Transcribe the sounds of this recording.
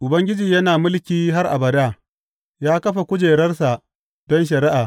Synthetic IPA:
ʔʊ˨bɐ˦ŋɡʲɪ˦d͡ʒiː˨jɐ˦naː˨mʊ˦lkʲiː˦ɦa˦rʔa̰˨bɐ˨daː˦˨ | jaː˦kɐ˦ɸa˨kʷʊ˦d͡ʒeː˨ɾɐ˦rsa˨ | d̥ɔ˦nʃ̬ɐ˨ɾɪ˦ʔaː˨

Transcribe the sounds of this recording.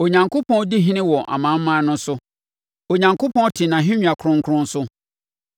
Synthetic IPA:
o˨ɲã˨ŋkʰo˦pʰɔ̃˦n˦di˦ɦĩ˦nɪ̃˦wɔ˨ʔa̰˨mã˨˦m̩˦mã˦nʊ̃˦sʊ˦ | o˨ɲã˨ŋkʰo˦pʰɔ̃˦n˦tʰɪ˨nã˨ɦɪ̃˦ɲᶣu˨a˨kʰɾʊ̃˦ŋ̩˦kʰʊ˦ɾʊ̃˦n̩˦sʊ˦

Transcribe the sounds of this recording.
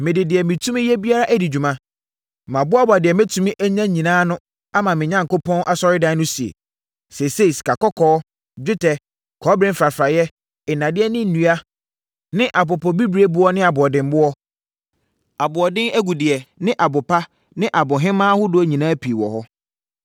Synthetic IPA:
mɪ̃˨dɪ˨dɪ˨ɛ˨mɪ̃˨tʰũ˦mɪ̃˦jɛ˦bi˦a˦ɾa˦ʔæ˦di˨d͡ʑᶣu˨mã˦ | mã˨bʊ˦a˦bʊ˨a˨dɪ˨ɛ˨me˦tʰũ˦mɪ̃˦ʔæ˦ɲã˦ɲĩ˨nãː˦nʊ̃˦ | a˦mã˨mɪ̃˨ɲã˦ŋ̩˨ko˦pʰɔ̃˦nʔa˦sɔ˦ɾɪ˦dã˦nʊ̃˦si˨ḛ˨ | se˨se˦˨si̥˨ka˨kɔ˦kʰɔː˦ | d͡ʑᶣɪ˦tʰɛ˨ | kʰɔ˨˦bɾɪ̃˦m̩˦fɾa˨fɾa˨jɛ˦ | ɪ˨nã˨dɪ˦ɛ˦nɪ̃˦n̩˨nũ˦a˦ | nɪ̃˦ʔa˨p̬ʊ˨pɔ˨bi˦bɾe˦bʊ˦ɔ˦nɪ̃˦a˨bʊ˨ɔ˨dɪ̃˨m˦bʊ˦ɔ˦ | a˨bʊ˨ɔ˨dɪ̃˦ŋæ˦ɡu˨dɪ˨ɛ˨nɪ̃˦ʔa˨bʊ˨pʰa˦ | nɪ̃˦ʔa˨bʊ˨ɦɪ̃˦mãː˦hʊ˦dʊ˦æ˦ɲĩ˨nãː˦pʰi˨wɔ̰˨hɔ˦

